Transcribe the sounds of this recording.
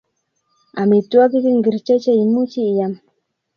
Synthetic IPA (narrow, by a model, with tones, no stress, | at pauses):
a˨mi˨t̪u˦a˦ki˦ki˦ŋɡi˨ɾt͡ʃa˦t͡ʃa˦imu˦t͡ʃiː˦˨jam